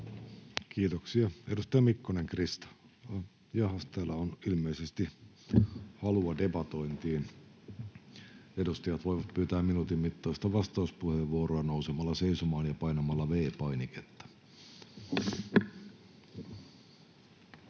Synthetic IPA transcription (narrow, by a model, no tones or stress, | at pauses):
kiːt̪oksiɑedust̪ɑjɑmikːoneŋkrist̪ɑ̥ | jɑhɑst̪æːlæonilmeisest̪i | hɑluɑdebɑt̪oint̪iːn | edust̪ɑjɑt̪ʋojʋɑt̪pyːt̪æːmminut̪immit̪ːɑːst̪ɑʋɑst̪ɑuspuheʋʋuoɾoɑnousemɑlːɑseisomɑːnjɑpɑinɑmɑlːɑʋeːpɑiniket̪ːɑ̥